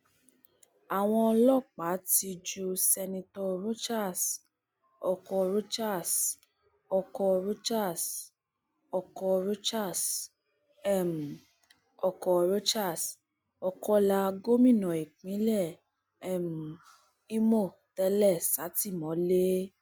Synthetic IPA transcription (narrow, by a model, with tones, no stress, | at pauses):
a˨w̃ɔ̃˧ɔ˧lɔ˦˨k͡pa˨˦ti˧d͡ʒu˧sɛ˧nĩ˧tɔ˧ɾo˦t͡ʃa˦˨s | ɔ˧kɔ˧ɾo˦t͡ʃa˦˨s | ɔ˧kɔ˧ɾo˦t͡ʃa˦˨s | ɔ˨kɔ˧ɾo˦t͡ʃa˦˨s | m˨ | ɔ˨kɔ˧ɾo˦t͡ʃa˦˨s | ɔ˧kɔ˦la˧ɡo˦mĩ˦˨nɔ̃˨i˨k͡pĩ˨˦lɛ˦˨ | ɛ˦˨m˨ | i˦mo˦˨ | tɛ˦lɛ˦˨sa˨˦ti˦˨mɔ̃˨˦le˦